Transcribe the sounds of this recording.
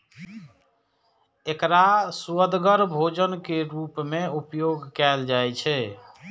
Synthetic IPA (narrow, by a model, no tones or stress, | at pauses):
ekɾasuəd̪ɡəɾbʱod͡ʒənkeɾupmeupjoɡkɛld͡ʒajt͡ʃʰɛ